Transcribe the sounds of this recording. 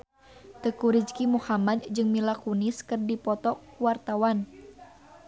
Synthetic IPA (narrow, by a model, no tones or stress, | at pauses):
t̪əkuɾid͡ʒkimuhamad̪̚d͡ʒɨŋmilakuniskɨrdipɔt̪ɔkwart̪awan